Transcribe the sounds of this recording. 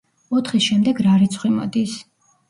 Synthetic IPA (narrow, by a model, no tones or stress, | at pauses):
ɔt̪ʰχisʃɛmd̪ɛɡɾaɾit̪sʰχwimɔ̰d̪is